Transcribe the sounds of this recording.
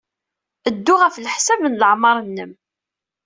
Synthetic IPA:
əd̪ːʊʁəfləħsævnləʕmɑɾˤənːəm

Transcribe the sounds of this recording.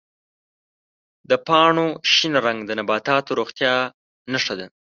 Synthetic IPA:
d̪əpɑɳoʃinɾaŋɡd̪ənabɑt̪ɑt̪oɾoxt̪jɑ | naʂad̪a

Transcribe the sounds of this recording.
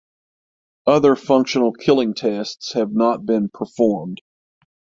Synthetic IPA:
ʌðə˞fʌ̃ŋkʃɨnl̩ˠkʰɪlˠɪ̃ŋtʰɛstshɨvnət̚b̥ɪ̃npʰə˞fɔɹmd̥

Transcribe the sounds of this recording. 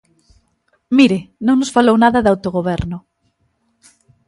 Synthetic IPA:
miɾɪnõŋnʊsfalownaðɐðawt̪oɣoβɛɾnʊ

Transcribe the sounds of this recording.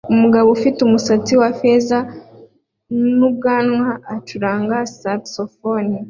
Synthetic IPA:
umuɡaβofitumusat͡siwafeza | nub̚ɡaːnŋwaːt͡ʃuɾaːŋɡasapsofoni

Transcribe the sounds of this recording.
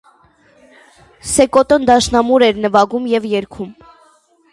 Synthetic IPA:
sɛkɔt̪ɔnd̪ɑʃnɑmuɾɛɾnəvɑɡumjɛvjɛɾkʰum

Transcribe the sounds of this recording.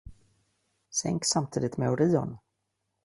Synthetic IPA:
sɛ̰ŋksamt̪ʰiːd̪ɪt̪mɛʊɾiːɔn

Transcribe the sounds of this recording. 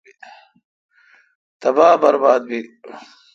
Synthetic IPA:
t̪ɐbaːbɐɾbaːd̪̚bi

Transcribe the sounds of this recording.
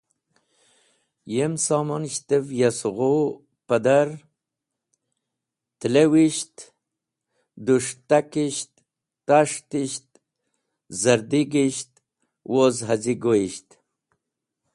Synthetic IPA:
jemsɑmanʃt̪evjasɣo | pad̪aɾ | t̪lewiʃt̪ | d̪uʂt̪akiʃt̪ː | aʂt̪iɕt̪̚ | zaɾd̪iɡiʃt̪ | wʔozɦaziɡoiɕt̪

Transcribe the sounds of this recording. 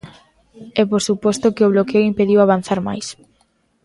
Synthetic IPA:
ɛpoɾsupɔst̪okeoβlokeoimpeðiwaβ̞an̟θaɾma̰js

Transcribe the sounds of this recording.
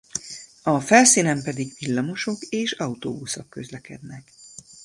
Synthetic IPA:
ɒfɛlsiːnɛmpɛd̪iɡʋilːɒmo̞ʃo̞keːʃɒut̪o̰ːbusokːø̞zlɛkɛ̰d̪nɛk

